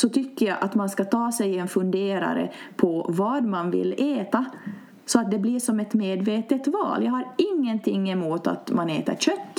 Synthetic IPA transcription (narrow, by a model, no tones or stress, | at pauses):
sɔt̪ʰʏkːəjaʔat̪manskat̪ʰɑːsɛjɛnfɵnd̪eːɾa̰ɾə̰ | pʰɔvɑd̪manvɪ̰leːt̪a | sɔat̪̚d̪ɛbliʂɔmɛt̪meːd̪veːt̪ət̪vɑ̰ːljɑːhaɾɪŋːənt̪ʰɪŋːɛmuːt̪a̰t̪maneːt̪ə̰ɾɕœt̪ː